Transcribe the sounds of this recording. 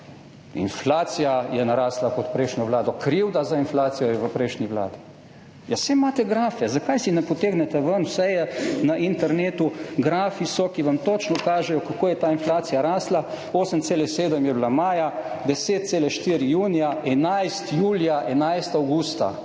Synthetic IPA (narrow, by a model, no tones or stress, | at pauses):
ḭnflaːt̪sijajɛnaɾaːslakɔt̪pɾɛjʃnʲjɔʋlaːd̪ɔkɾiwd̪azainflaːt̪sijɔjɛʋəpɾɛjʃniʋla̰ːd̪i | jasemːaːt̪ɛɡɾaːfɛzakajsinɛpɔt̪eːɡnɛt̪aʋənwsɛjɛnaʔint̪ɛɾneːt̪uɡɾaːfisɔkiʋamt̪ot͡ʃnɔkaːʒɛjɔkakoːjɛt̪aːinflaːt̪sijaɾaːsla | oːsəmt̪seːlɛseːd̪əmjɛblamaːja | d̪ɛseːt̪̚t̪seːlɛʃt̪iːɾijuːnijaɛnajst̪juːljaʔɛnajst̪awɡust̪a̰